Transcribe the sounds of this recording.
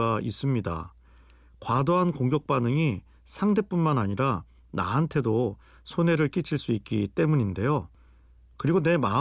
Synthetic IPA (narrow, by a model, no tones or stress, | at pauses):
ais͈ɯmɲida̰ | kwadoɦankoŋɡjʌk̚p͈anɯŋi | sʰaŋde̞p͈unmanaɲiɾa | na̰ɦantʰe̞do | sʰone̞ɾɯɭk͈it͡ɕʰiɭs͈uik̚k͈it͈e̞muɲinde̞jo | kɯɾiɡone̞ma